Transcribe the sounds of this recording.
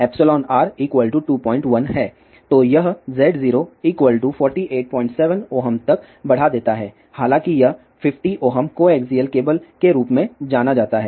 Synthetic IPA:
ɛːpsɪlɔːnaːɾiːkwəlʈuʈuːpɔ̃ːɪ̃ɳʈʋɐnɦɛː | t̪ojɐɦzɛːɖziːɾoiːkʋəlʈufɔːɾʈiʔeːʈ̚pɔ̃ːɪ̃ɳʈsɛːʋə̃noːɦəmt̪ɐk | bɐɽ̤ad̪eːt̪aɦɛː | haːlãːkijɐɦ | fɪfʈiʔoːɦəmkoeːkziːəlkeːbəlkeɾuːpmẽd͡ʒaːnad͡ʒaːt̪aɦɛː

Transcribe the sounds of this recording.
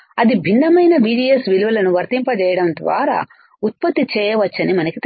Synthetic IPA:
ɐd̪ibʱind̪ɐmɐjnɐbiːɖiesʋiluʋɐlɐnuʋɐɾt̪impɐt͡ʃɛːjɐɽɐnd̪ʋa̰ːɾa̰ː | ut̪̚pɐt̪ːit͡ʃɛːjɐʋɐt͡ʃːɐnimɐnɐkit̪

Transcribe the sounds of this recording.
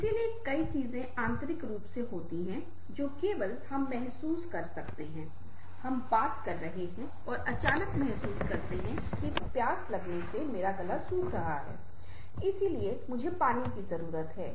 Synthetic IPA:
ɪsiliekɐit͡ʃiːzẽãːnt̪ɾɪkɾuːpseɦoːt̪iɦɛ̃ | d͡ʒoːkeːʋəlhɐmːɛɦsuːskɐɾsɐkt̪eɦɛ̃ː | hɐmbaːt̪kɐɾːɐɦeɦɛ̃ | ɔːɾʔɐt͡ʃaːnəkmɛɦsuːskɐɾt̪eɦɛ̃ | kipjaːslɐɡnesemeːɾaɡɐlasuːkɾɐɦaɦɛ̰ː | ɪsiliemʊd͡ʒʱepaːnikizɐɾuːɾət̪ɦɛː

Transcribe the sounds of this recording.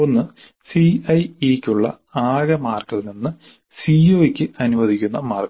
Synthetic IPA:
o̞nːɨ | siɐjikʲːuɭːɐ̰ | aːɣɐmaːrkːɐininːɨ | sioːikʲːɨɐnuʋɐd̪ʱikʲːunːɐmaːrkɐ

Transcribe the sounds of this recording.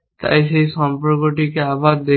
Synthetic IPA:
t̪a̰jʃejʃɔmpoɾkoʈikeabaɾd̪e

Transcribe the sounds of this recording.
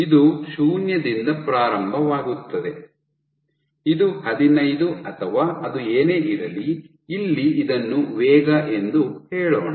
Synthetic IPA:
id̪usuːnjɐd̪ind̪ɐpɾaːɾɐmbʱɐʋaːɡut̪ːɐd̪e̞ | id̪uhɐd̪inɐjd̪uɐt̪ʰɐʋaːʔɐd̪ueːneːʔiɾɐliː | lːiid̪ɐnːuʋɛːɡɐʔe̞nd̪uhɛːɭoːɳɐ

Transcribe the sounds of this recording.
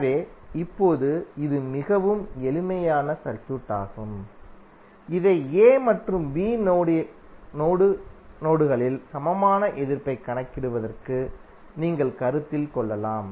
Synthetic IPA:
ʋeːɪpːoːðɯɪðɯmɪɣɐʋɯmɛlɪmɐjaːnɐsɐɾt͡ʃuʈːa̰ːɣɯm | ɪðeːeːmɐʈrɯmʋiːnːɽnoːɽɯnoːɽɯɣɐɭɪlsɐmɐmaːnɐʔɛðɪɾpɐɪkːɐɳɐkːɪɽɯʋɐðɐrkɯ | niːŋɡɐɭkɐɾɯt̪ːɪlkɔɭːɐlaːm

